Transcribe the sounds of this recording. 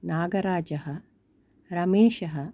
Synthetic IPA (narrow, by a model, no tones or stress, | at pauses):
naːɡɐɾaːd͡ʒɐɦɐ | ɾɐmeːʃɐɦɐ